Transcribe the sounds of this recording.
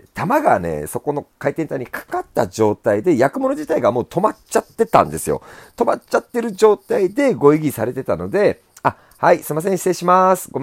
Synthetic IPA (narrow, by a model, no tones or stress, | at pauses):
t̪amaɡane̞̰so̞ko̞no̞kait̪ent̪aiɲ̟ikḁkat̪ːad͡ʑo̞ːt̪aid̪e̞jakɯ̟mo̞no̞d͡ʑit̪aiɡamo̞ːt̪o̞mat͡ɕat̪ːe̞t̪ã̰nd̪e̞sɨjo̰t̪o̞mat͡ɕat̪ːe̞ɾɯ̟d͡ʑo̞ːt̪aid̪e̞ɡo̞iɡʲisaɾe̞t̪e̞t̪ano̞d̪e̞ | a | haisɨimas̬ẽ̞ɕi̥seːɕimasɨ̥ɡo